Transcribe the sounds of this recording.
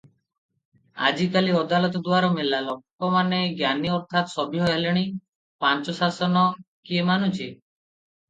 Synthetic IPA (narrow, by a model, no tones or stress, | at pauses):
a̰d͡ʒikaliɔd̪alɔt̪ɔd̪uaɾɔmelalɔk̚ɔmaneɡjaniɔɾt̪ʰat̪sɔbʱiɦɔɦeleɽ̃i | pant͡ʃɔsasɔnɔkiemanũt͡ʃʰi